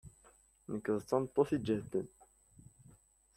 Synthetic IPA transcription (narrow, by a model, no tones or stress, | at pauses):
nəkːəðt͡sːɑnt̪ˤːoθid͡ʒəht̪ːən